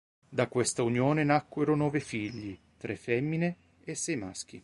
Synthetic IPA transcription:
d̪akwest̪aunjɔːnenakːweɾonɔːvefiʎːi | t̪ɾʔɛfɛmːine | esːɛjma̰sk̟i

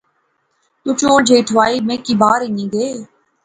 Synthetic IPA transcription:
t̪uːt͡ʃoːɽd͡ʒʱeːʈʰʋaːiːmẽːkibaːɾɪɲĩːɡeː

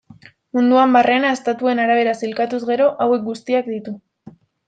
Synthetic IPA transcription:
mund̪uambare̞nae̞st̪at̪ue̞naɾaβ̞e̞ɾasilkat̪uzɣe̞ɾo̞ʔawe̞k̚ɡust̪iakd̪it̪u

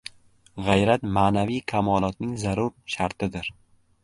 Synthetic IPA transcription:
ʁajɾat̪maːnavijkʲʰamɒːlˠɒt̪nɪŋzaɾʊɾʃaɾt̪ʰɪd̪ɪɾ

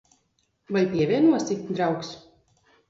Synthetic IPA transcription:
valʲpʲiɛvʲiɛnuɔst̪ikt̪ʲd̪ɾawks

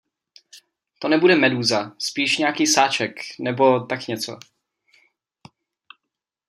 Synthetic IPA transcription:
t̪onɛbudɛmɛduːzaspiːʃɲɛakiːsaːt͡ʃɛknɛbo̞t̪akɲɛt͡so̞̰

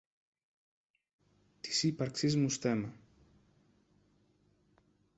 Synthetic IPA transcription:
t̪i̥sipɐɾksizmust̪emɐ

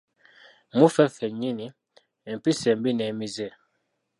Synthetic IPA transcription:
mufɛfɛɲini | ɛm̩pisɛmbinɛmizɛ

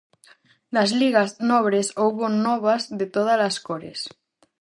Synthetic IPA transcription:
nazliɣaznɔβ̞ɾesowβonːɔβazðet̪oðalaskoɾḛs

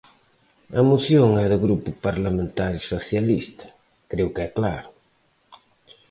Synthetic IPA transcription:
ɐmuθjoŋɛðɪɣɾupʊpaɾlamẽnt̪aɾisoθjalist̪ɐ̥ | kɾewkɛklaɾʊ

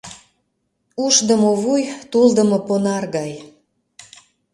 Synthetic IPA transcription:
uʃd̪əmoβujt̪uld̪ə̆mə̆ponɑrɣɑj

